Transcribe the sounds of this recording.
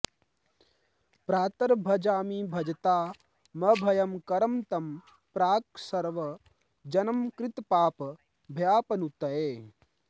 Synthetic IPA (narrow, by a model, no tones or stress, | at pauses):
pɾaːt̪ɐɾbʱɐd͡ʒaːmiːbʱɐd͡ʒɐt̪aː | mɐbʱɐjɐmkɐɾɐmt̪ɐm | pɾaːksɐɾʋɐ | d͡ʒɐnɐmkɾɪt̪paːp | bʱjaːpɐnut̪ɐeː